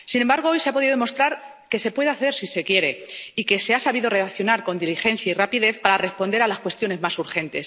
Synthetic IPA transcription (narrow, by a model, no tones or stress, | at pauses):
sinembaɾɣ̞oo̞jseapo̞ðiðemost̪ɾaɾ | ke̞se̞pwe̞ð̞eaθe̞ɾsise̞kje̞ɾe̞ike̞se̞asaβiðo̞re̞aθjo̞naɾko̞nd̪ilixe̞nθjairapiðe̞θpaɾare̞spo̞nd̪e̞ɾalaskwe̞st̪jo̞ne̞zmasuɾxe̞nt̪es